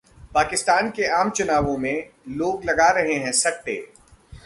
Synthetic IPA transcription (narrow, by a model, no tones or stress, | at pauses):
paːkɪst̪aːnkeaːmt͡ʃʊnaːʋõmẽloːɡlɐɡaɾɐɦeɦɛ̃sɐʈʈḛː